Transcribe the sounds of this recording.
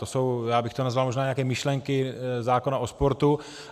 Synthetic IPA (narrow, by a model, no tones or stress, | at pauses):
t̪oso̞wjaːbɪxt̪onazvalmo̞ʒnaːɲɛjakɛːmɪʃlɛŋkɪzaːkonaʔospo̞ɾt̪u